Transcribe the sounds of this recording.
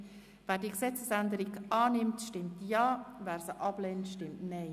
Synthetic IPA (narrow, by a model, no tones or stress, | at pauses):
væːɾdiəksɛt͡səsænd̪əɾiɡɑːnɪmtʃtɪmtjɑːvæːɾsəʔɑb̥leːntʃtɪmtnɛɪ